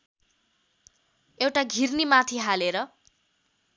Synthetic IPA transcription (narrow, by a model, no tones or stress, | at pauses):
ewʈaɡʱirnimat̪ʰiɦaleɾʌ